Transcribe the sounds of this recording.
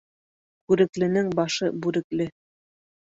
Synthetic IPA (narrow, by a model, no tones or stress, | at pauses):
kʉɾɘ̆klɘ̆nɘŋbɑʃɤbʉɾɘ̆klɘ